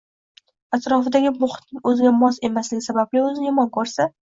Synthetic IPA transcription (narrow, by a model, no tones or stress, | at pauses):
at̪ɾɒfɪd̪aɡʲɪmʊχt̪nɪŋɵzɪɡʲamɒse̞maslɪɡʲɪsabablɪɵzɪjɒmɒnkʰɵɾsa